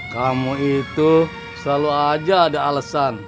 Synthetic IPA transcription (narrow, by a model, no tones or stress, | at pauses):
kamuit̪u | slaluad͡ʒaːdaalasan